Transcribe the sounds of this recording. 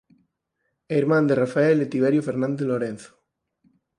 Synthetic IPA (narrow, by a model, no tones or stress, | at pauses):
eiɾmãnd̪erafaelet̪iβ̞eɾjofeɾnãnd̪eloɾẽn̟θo̥